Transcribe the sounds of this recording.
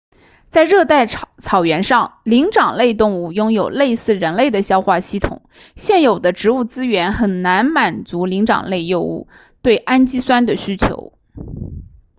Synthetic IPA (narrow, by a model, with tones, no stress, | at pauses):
t͡sa˥˧ɪɻɤ˥˧t̪a˥˩ɪt͡sʰɑ˨˩ʊɥɛ˧˥nʂɑ˥˩ŋli˧˥ŋʈ͡ʂɑ˨˩ŋle˥˧ɪt̪ʊ˥˧ŋu˥˩jʊ˥ŋjo˨˩ʊle˥˧ɪsɹ̩˥˩ɻə˧˥nle˥˩ɪd̪ə˩ɕjɑ˥ʊxwa˥˩ɕi˥˩t̪ʰʊ̰˨˩˦ŋ | ɕjɛ˥˩njo˨˩ʊd̪ə˦ʈ͡ʂɻ̩˧˥u˥˩t͡sɹ̩˥ɥɛ˧˥nxə˨˩nna˧˥nma˨˩nt͡su˧˥li˧˥ŋʈ͡ʂɑ̰˨˩ŋle˥˧ɪjo˥˧ʊṵ˥˩ | t̪we˥˩ɪʔa˥nt͡ɕi˥swa˥nd̪ə˨ɕy˥t͡ɕʰjo̰˧˥ʊ